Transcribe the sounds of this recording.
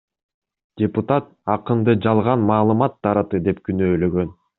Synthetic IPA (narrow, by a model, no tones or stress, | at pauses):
d̥ʲeput̪at̪̚ | ɑqɯnd̪ɯd͡ʒɑlˠʁɑnmɑːlˠɯmɑt̪ːɑɾɑt̪ɯd̪e̞p̚kynøːlø̞ɡøn